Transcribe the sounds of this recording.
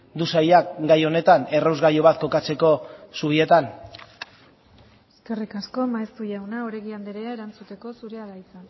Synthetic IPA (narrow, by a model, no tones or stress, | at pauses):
d̪usajakɡajo̞ne̞t̪ane̞rawzɣajo̞βat̪̚ko̞kat͡se̞ko̞suβ̞ie̞t̪an | eske̞rikasko̞maest̪uʝawnaoɾe̞ɣiand̪eɾeae̞ɾant͡sut̪e̞ko̞suɾe̞aðajt͡sa